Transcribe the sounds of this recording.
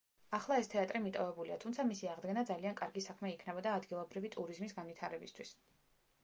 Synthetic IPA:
aχlˠaɛst̪ʰɛat̪ʼɾimit̪ʼɔvɛbuliat̪ʰumt̪sʰamisiaʁd̪ɡɛnad̪zaliankʼaɾɡisakʰmɛikʰnɛbɔd̪aːd̪ɡilˠɔbɾivit̪ʼuɾizmisɡanvit̪ʰaɾɛbist̪ʰwis

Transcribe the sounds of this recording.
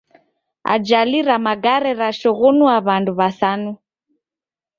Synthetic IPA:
a̰d͡ʒaliɾamaɡaɾɛɾaʃɔɣɔnuaβanduβasanu

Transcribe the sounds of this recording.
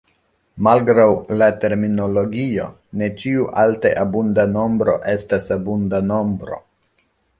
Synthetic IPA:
malɡɾawlate̞ɾmino̞loɡio̞ | ne̞t͡ʃiuʔalteʔabundano̞mbɾo̞̰ʔe̞stasabundano̞mbɾo̞̰

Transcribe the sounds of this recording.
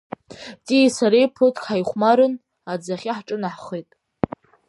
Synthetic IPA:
tʼiisaɾejpʰotʰkħajχʷmaɾɨn | ad͡zaχʲɪħʈ͡ʂʼɨnaħχejtʼ

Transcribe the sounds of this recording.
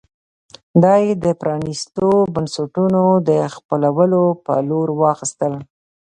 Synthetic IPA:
d̪ɑjed̪əpɾɑnist̪obansaʈunod̪əxpəlawəlopə̰loɾwɑxist̪əl

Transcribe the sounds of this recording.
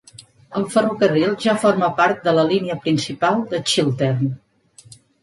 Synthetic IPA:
əlˠfərukərilˠʒafoɾmapaɾt̪̚d̪ələliniəpɾinsipalˠd̪ət͡ʃilˠt̪ern

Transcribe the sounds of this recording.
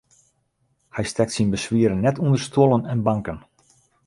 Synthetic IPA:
hɛjstɛk̚tsinbəsʋiəɾənːɛtundərstʰolˠənɛnbaŋkən

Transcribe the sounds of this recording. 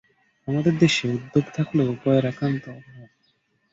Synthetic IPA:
amad̪eɾd̪eʃeud̪ːoɡt̪ʰakloupɔjeɾakɾant̪oɾɦɔ

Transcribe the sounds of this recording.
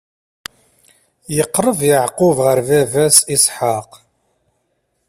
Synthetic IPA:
jəqːɾˤəvjəʕqʊvʁəɾvævæsisˤħaq

